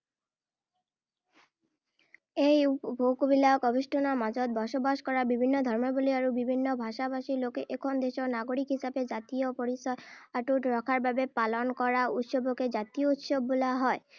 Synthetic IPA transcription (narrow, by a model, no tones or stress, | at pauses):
ejubʱokubilakɔbiʃʈʰonamad͡ʑɔt̪̚bɔʃobaʃkɔɾabibʱinːod̪ʱɔɾmoboliaɾubibʱinːobʱaʃabaʃilokeʔekʰɔnd̪eʃonaɡoɾikɦisabed͡ʑat̪iopoɾisɔaʈuʈɾɔkʰaɾbʱabepalonkɔɾaut̪ʃoboked͡ʑat̪iout̪ʃobːolaɦɔe